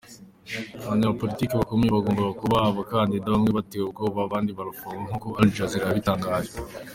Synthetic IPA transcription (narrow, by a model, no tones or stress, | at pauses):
βaɲaβapo̞litiːkiβakomijeβaɡoːmbaβakuβaβakandidaβamŋeβatewebkoːβaβaːndiβaɾafaŋɡaŋ̥okoʔald͡ʒaziɾaβitaːŋɡaːʒe